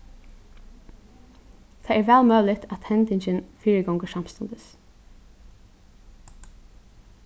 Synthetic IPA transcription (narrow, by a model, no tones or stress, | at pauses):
t̪ʰeːɛɹʋæːlmœːlɪt̪ʰæt̪hɛnt̪ɪɲt͡ʃɪnfiːɹəɡɔŋɡəʂɑmst̪ɔnd̪ɪs